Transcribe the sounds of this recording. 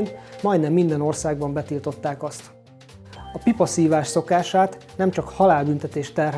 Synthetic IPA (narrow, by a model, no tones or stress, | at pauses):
nmɒjd̪nɛmːind̪ɛno̞rsaːɡ̚bɒmbɛt̪iːlt̪o̞t̪ːaːkɒst̪ | ɒpipɒsiːvaːʃso̞kaːʃaːt̪nɛmt͡ʃɒkhɒlaːlbynt̪ɛt̪eːʃt̪ɛrɦ